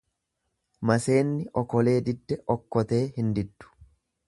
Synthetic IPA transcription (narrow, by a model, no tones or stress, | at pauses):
mɐse̞ːnːɪʔɔkɔle̞ːd̪ɪd̪ːɛʔɔkːɔt̪e̞ːhɪnd̪ɪd̪ːʊ̥